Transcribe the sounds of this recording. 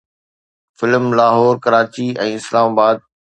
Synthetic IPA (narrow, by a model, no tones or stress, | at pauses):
fɪlmlaːɦɔːɾkɐɾaːt͡ɕiɛ̃ːɪslaːmaːbaːd̪̚